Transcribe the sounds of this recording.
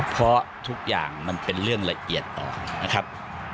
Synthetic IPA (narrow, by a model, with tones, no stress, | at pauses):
pʰɾɔ˦˥t̪ʰu˦˥k̚ja̰ː˨˩ŋma˧npe˧nɾɯ˥˩əŋla˧ʔi˨˩ət̪̚ʔɔ̰ː˨˩na˦˥kʰa˦˥p̚